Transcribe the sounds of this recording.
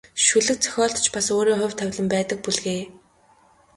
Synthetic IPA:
ʃuɮɘ̆k̚t͡sʰœ̥xʲɔːɬt̪t͡ɕpasoːɾiːŋχʊ̟wʲt̪ʰːæwʲɮə̆mpæːt̪ə̆k̚puɮɣeː

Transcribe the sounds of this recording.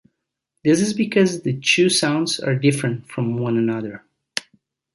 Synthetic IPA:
ðɪsɨzbɨkʰʌzðɨtʰʉsãʊ̃ndzə̰˞dɪfɹɨ̃ntfɹʌ̃mwʌ̃nənʌðə˞

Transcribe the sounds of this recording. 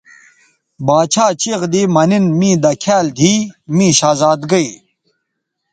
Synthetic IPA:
baːt͡ɕʰaːt͡ɕiʁd̪iːmɐninmĩːd̪ɐkʰaːld̪ʱiːmĩːɕaːzaːd̪ɡɐi

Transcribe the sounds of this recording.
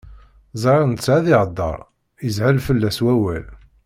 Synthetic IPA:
zˤɾˤnt͡sːʕaðɪʕəd̪ˤːɑ̰ɾˤ | əzʕəlfəlːæswæwæl

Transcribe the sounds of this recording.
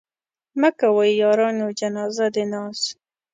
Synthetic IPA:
makawajjɑɾɑnod͡ʒanɑzad̪enɑs

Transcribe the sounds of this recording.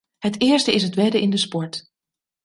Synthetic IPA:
hətɪːɹstəɪs̬ɦətʋɛdəɪndəspɔɹt

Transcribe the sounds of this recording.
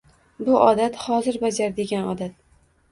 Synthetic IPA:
bʊʔɒd̪at̪hɒzɪɾbad͡ʒaɾd̪e̞ɡʲanɒd̪at̪̚

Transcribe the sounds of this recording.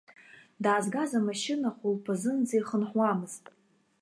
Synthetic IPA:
daːzɡazamaʃɪnaχʷʊlpʰazɨnd͡zajχənħwamɨz̥tʼ

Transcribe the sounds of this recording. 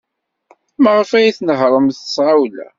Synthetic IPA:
məʁfæjiθnəʁɾˤəmθə̥sʕawlæ̰

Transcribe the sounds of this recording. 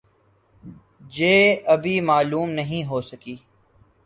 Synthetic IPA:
d͡ʒeːɐbʱimaːluːmnɐɦĩɦoːsɐkiː

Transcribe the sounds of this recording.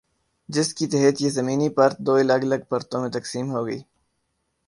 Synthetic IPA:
d͡ʒɪskit̪ɛɦət̪jezɐmiːnipɐɾt̪̚d̪oːɐlɐɡɐlɐɡ̚pɐɾt̪õmẽt̪ɐksiːmɦoːɡəḭː

